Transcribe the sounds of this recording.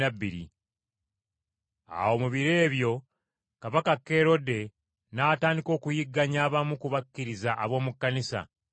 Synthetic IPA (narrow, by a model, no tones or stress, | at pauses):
abːiɾḭ | a̰wo̞ːmuβiɾe̞ːβjo̞ | kaβakakːe̞ɾo̞de̞ | naːtaːndiko̞ːkujiɡːaɲaːβamukuβakːiɾizaʔːβo̞ːmukːanisa̰